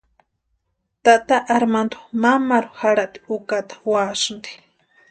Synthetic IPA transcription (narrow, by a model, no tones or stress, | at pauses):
t̪at̪aʔaɾmand̪o̥mamaɾuhaɽaʔt̪i̥ukat̪ḁwaːʃɨnd̪i̥